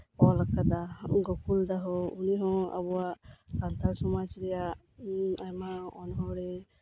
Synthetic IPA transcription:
ɔlakad̪aɡɔkuld̪aɦɔuniɦɔ̃a̰bɔwaʔkalt̪aɾsɔmat͡ʃɾɛjaʔ | ajmaɔnɦɔ̃ɽɛ

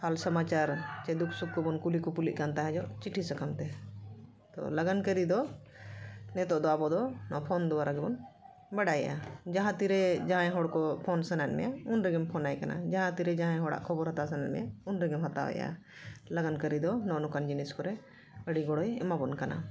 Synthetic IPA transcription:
halsəmat͡ʃaɾt͡ʃɛd̪ukʰsukːɔbɔnkulikɔpulḭʔ̚kant̪aɦɛd͡ʒɔʔt͡ʃiʈʰisəkʰamt̪ɛ | t̪ɔ̰ləɡankəɾid̪ɔ | nɛt̪ɔʔd̪ɔabɔd̪ɔnɔpʰɔnd̪uwaɾaɡɛbɔn | bɛɽaja̰d͡ʒaɦãt̪iɾɛd͡ʒaɦãɛ̃ɦɔɽkɔpʰɔnsənanmɛ̰jaunɾɛɡɛmpʰɔnajkana̰d͡ʒãɦãt̪iɾɛd͡ʒaɦãɦɔɽa̰ʔkʰɔbɔɾɦat̪asənɛnmɛ̰jaunɾɛɡɛmɦat̪a̰wɛ̰ja̰ | ləɡankəɾid̪ɔnɔʔnɔkand͡ʒinɛskɔɾɛ | əɽiɡɔɽɔjɛ̰mabɔnkana̰

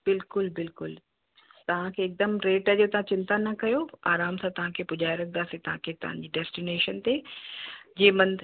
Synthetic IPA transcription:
b̥ɪlkʊlbɪlkʊl | t̪ɐʋ̤ãkʰeːk̚d̪əmɾeːʈəd͡ʑot̪ɐʋ̤ãt͡ɕɪ̃nt̪anɐkɐjoaːɾaːmsãt̪ɐʋ̤ãkʰepʊd͡ʑaːjɾɐk̚ʰnd̪aːsĩt̪ɐʋ̤ãkʰet̪ɐʋ̤ã̰ɲd͡ʑiːɖɛːsʈineːʃənt̪e | d͡ʑeːbɐ̃nd̪

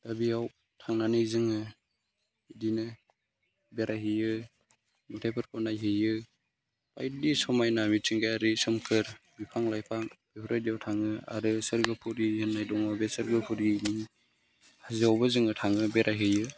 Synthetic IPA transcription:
dabijaw | tʰaŋnanɯjzɯŋɯ | idinɯ | beɾaɦɯjɯ | mutʰajpʰɯɾkʰɔnajɦɯjɯ | pajdisɔmajnamit͡ʃiŋɡajaɾisɯmkʰɯɾbipʰaŋlajpʰaŋb̥ipʰuɾadijawtʰaŋɯa̰ɾɯsɯɾɡɯpʰuɾihɯnːajdɔŋabesɯɾɡɯpʰuɾini | haziawbazɯŋɯtʰaŋɯbeɾʔaɦɯjɯ

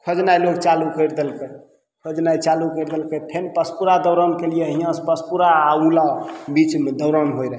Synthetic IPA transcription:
kʰod͡ʒnajloɡt͡ʃalukəɾd̪elke | kʰod͡ʒnajt͡ʃalukəɾd̪elket̪ʰenpəspuɾad̪əwɾənkelijeɦijãspəspuɾaːulabit͡ʃmed̪əʊɾənɦojɾəɦ

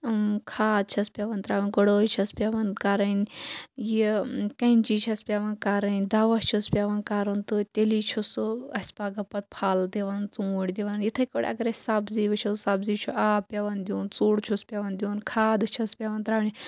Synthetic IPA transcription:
kʰaːd̪̚t͡ʃʰɐspʲaʋɐnt̪ɾaːʋɐnʲɡoɽoːt͡ʃʰɐspʲaʋɐnkaːɾɐnʲjikɐnʲt͡ʃit͡ʃʰɐspʲaʋɐnkaɾɐnʲd̪aːʋɐt͡ʃʰuspʲaʋɐnkaːɾɐnt̪ɨt̪ʲeliːt͡ʃʰusɨɐsʲpaːɡɐpɐt̪̚pʰaːld̪eʋɐnt͡sũːɽʲd̪eʋɐnjit̪ʰɐkʲoɽʲɐ̰ɡɐɾɐsʲsabziʋɐt͡ʃʰɐsabzit͡ʃʰuʔaːpʲjɐʋɐnd̪ʲunt͡suːɽt͡ʃʰuspʲaʋɐnd̪ʲunkʰaːd̪ɨt͡ʃʰɐspʲaʋɐnt̪ɾaːʋnʲ

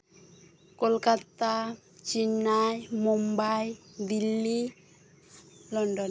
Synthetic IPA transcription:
kolkat̪a | t͡ʃinːajmumbajd̪ilːi | lɔɳɖɔn

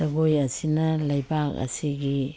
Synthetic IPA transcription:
ɐɡojɐsinɐlajbak̚a̰siɡi

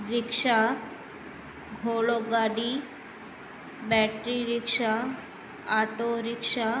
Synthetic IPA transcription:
ɾɪkʂa | ɡʱoɭoɡaɽi | bɛʈɾiɾɪkʃa | aʈoɾɪkʂa

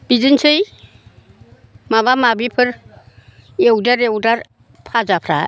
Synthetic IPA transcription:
b̥izɯnsɯj | maβamabipʰɯɾ | ewdaɾewdaɾ | pʰazapʰɾa̰

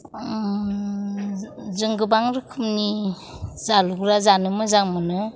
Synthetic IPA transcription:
zɯŋɡɯbaŋɾɯkʰɯmni | zaluɡɾazanɯmɯzaŋmɯnɯ

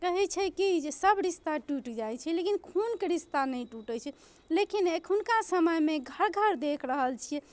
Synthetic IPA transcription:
kəɦɛt͡ʃʰɛkid͡ʒesəbʱɾist̪aʈuʈd͡ʒajt͡ʃʰɛlekinkʰunkeɾist̪anəjʈuʈət͡ʃʰɛ | lekinekʰunkasəməjmeɡʱəɾɡʱəɾd̪ekʰɾəɦəlt͡ʃʰijɛ

